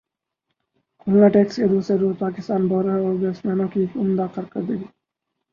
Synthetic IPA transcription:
kʊlnaːʈeːksked̪uːsɾeɾuːzpaːkɪst̪aːnboːɾəoːbeːsmeːnõːkiumnd̪aːqəɾkəɾd̪iɡi

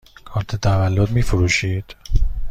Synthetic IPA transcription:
kʰɒːɾt̪ʰet̪ʰævælːod̪miːfoɾuːʃiːd̪̥

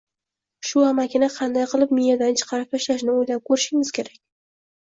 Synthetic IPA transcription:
ʃʊamakʲɪnaqʰɑnd̪ajqʰɨlˠɪpmijad̪ant͡ʃʰɨ̥qʰɑɾɪp̚t̪ʰaʃlaʃnɪojlap̚kʰɵɾɪʃɪŋɪz̥kʲʰe̞ɾakʲ

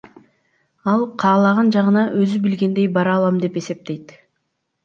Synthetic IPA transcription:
ɑlˠqʰɑːlˠɑʁɑnd͡ʒɑʁɯnɑʔøzybilɡe̞nd̪e̞jbɑɾɑlˠɑmd̪e̞pe̞se̞p̚t̪e̞jt̪

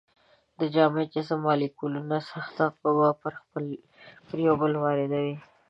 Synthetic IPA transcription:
d̪əd͡ʒɑmet͡ʃasamɑlikulunasaxt̪aqobapəɾpəl | pəɾjawbəlwɑɾɪd̪awi

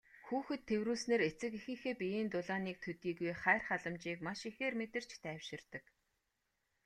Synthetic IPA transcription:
xuːxɘ̆t̪ʰːewruːsneːret͡sɘ̆kixɘ̆ŋxeːpijeːnt̪ʊɮaːniːk̚t̪ʰɵt̪iːɣujχæːrχaɮə̆mt͡ɕiːkmaʃixeːrmet̪ɘ̆r̥t͡ɕt̪ʰæːwʃɪ̆rt̪ə̆k

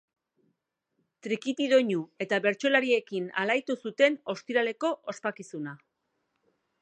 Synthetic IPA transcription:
t̪ɾikit̪iðo̞ɲue̞t̪aβe̞ɾt͡ʃo̞laɾie̞kina̰lajt̪usut̪e̞no̞st̪iɾale̞ko̞ʔospakisuna

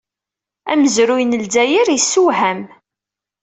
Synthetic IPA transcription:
æməzɾujnəldæjiɾjəsːuɦæm

